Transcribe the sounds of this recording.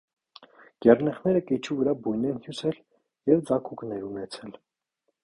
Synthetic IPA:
ɡ̥ɛrnɛχnɛɾəkɛt͡ʃʰuvəɾɑbujnɛnhjusɛl | jɛvd͡zɑkʰuknɛɾunɛt͡sʰɛl

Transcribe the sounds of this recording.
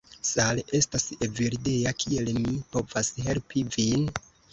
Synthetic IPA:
sale̞staseviɾdejakʰie̞lmipo̞vashe̞lpivin

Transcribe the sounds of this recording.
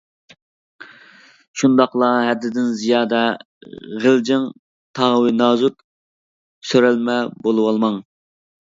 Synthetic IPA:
ʃund̪ɑqlˠɑɦɛd̪ɪd̪ɪnzijɑːd̪ɛ | ʁəld͡ʒɪŋ | t̪ʰɑwɨnɑːzut̪ | søɾɛlmɛbolˠɨwɑlˠmɑŋ

